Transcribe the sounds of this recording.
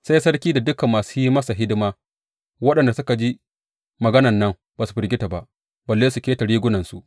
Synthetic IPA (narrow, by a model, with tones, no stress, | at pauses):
sa˦jsɐ˦ɽkʲiː˦da˨dʊ˦kɐ˨mːaː˨su˦ji˦mɐ˦sa˨ɦɪ˦dɪ˦maː˦ | wɐ˦ɗɐ˨nda˨sʊ˦ka˨d͡ʒi˦ | mɐ˨ɡɐ˦nɐ˨nːɐ˦ŋ | baː˨su˨ɸɪ˨ɾɡʲɪ˦ta˨ba˨ʔ | bɐ˨lːeː˦su˨kʲeː˦ta˨ɽiː˦ɡʷʊ˦nɐ˨nsu˨ʔ